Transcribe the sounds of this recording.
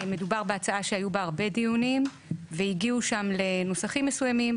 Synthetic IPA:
medubaʁbeat͡saaʃeajubaːʁbe̞dijunim | veiɡiuʃamle̞no̞saχimːe̞sujamim

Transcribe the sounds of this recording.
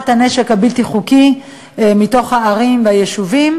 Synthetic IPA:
taneʃekabilt̪iχuki | mito̞χhaːʁimveajeʃuvim

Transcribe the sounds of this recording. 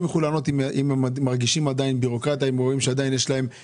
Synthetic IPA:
meχulano̞t̪iimemːaʁɡiʃimad̪ainbiʁo̞kʁat̪jaimʁoimʃead̪ainjeʃlae̞m

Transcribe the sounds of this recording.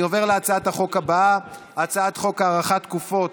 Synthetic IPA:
o̞ve̞ʁleat͡saat̪haχo̞kaba | at͡saat̪χo̞kaaːʁaχat̪kufo̞t

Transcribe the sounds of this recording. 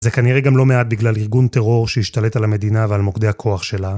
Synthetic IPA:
zekaniʁeɡamlo̞me̞at̪̚biɡlaliʁɡunt̪e̞ʁo̞ʁʃehiʃt̪ale̞t̪alame̞d̪inavealmo̞kd̪e̞hakʰo̞aχʃe̞la

